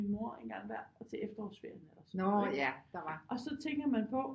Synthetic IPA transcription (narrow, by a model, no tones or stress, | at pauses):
imoɐe̝nɡ̥ɑ̈ŋ̰ʋæɐ̰ɒt͡sʰe̝efd̥ɐɒʊsʋeɐnelɐsnjæd̥ɑʋɑ̈ʔɒ̽sɒ̽t͡sʰeŋɡ̥ɐmænpʰɒ̽